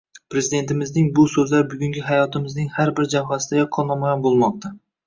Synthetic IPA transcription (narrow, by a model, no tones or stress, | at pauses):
pʰɾe̞zid̪e̞nt̪ʰɪmɪznɪŋbʊsɵzlaɾbʊɡʲʊŋɡʲɪɦajɒt̪ʰɪmɪznɪŋhaɾbɪɾd͡ʒawɦasɪd̪aɛqʰːɒlˠnɒmajɒnbolˠmɒq̚t̪ʰa